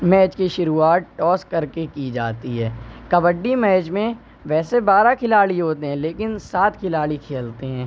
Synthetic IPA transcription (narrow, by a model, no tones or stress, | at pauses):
mɛːt͡ʃkiʃʊɾuːaːt̪̚ʈɔːskɐɾkekid͡ʒa̰ːt̪iɦɛːkɐbəɖːimɛːt͡ʃmẽ | ʋɛːsebaːɾakʰɪlaːɽiɦoːt̪eɦɛ̃leːkɪnsaːt̪kʰɪlaːɭikʰeːlt̪eɦɛ̃ː